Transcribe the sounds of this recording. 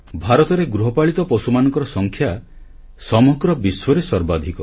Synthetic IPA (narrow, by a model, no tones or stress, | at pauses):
bʱaɾɔt̪ɔɾeɡɾuɦɔpaɭit̪ɔpɔsumanɔŋkɔɾɔsɔŋkʰja | sɔmɔɡɾɔbiswɔɾesɔɾbad̪ʱikɔ